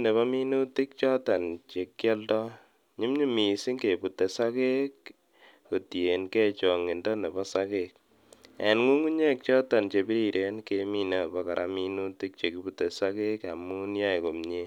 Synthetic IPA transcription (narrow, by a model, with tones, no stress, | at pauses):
ne˨βɔ˦mi˦nu˦ti˦k̚t͡ʃɔ˦ta˨nt͡ʃe˨kːjɔ˦ldɔ˦ | ɲu˦mɲu˦mi˨si˦ŋke˨pu˨te˨sa˦ke˦kː | o˨tje˨nke˦t͡ʃɔ˨ŋi˨ndɔ˦ne˨bɔ˦sa˦kek̚ | a̰˨nŋu˦ŋu˦ɲe˦k̚t͡ʃɔ˦ta˨nt͡ʃe˨pi˦ɾi˨ɾʔe˦nke˧mi˦na˦˨bɔ˦ka˨ɾʔa̰˦mi˦nu˦ti˦k̚t͡ʃe˨ki˦pu˨tɛ˨sa˦ke˦ka˨mu˦u˦nja˦jko˨mɲe˦